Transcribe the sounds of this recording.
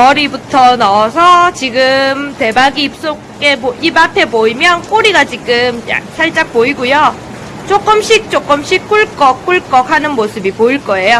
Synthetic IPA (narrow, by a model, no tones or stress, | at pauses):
kʌɾibutʰʌnʌsʰʌt͡ɕiɡɯmte̞baɡiːp̚s͈o | ɡeboibapʰe̞boimjʌnk͈oɾiɡat͡ɕiɡɯmja̰ksʰaɭt͡ɕ͈ak̚p͈oiɡujo | t͡ɕ͈ok͈ɯmɕ͈ʰik̚t͡ɕ͈ok͈ɯmɕ͈ʰik͈uɭk͈ʌk͈uɭk͈ʌk̚hanɯnmosʰɯbipoiɭk͈ʌe̞jo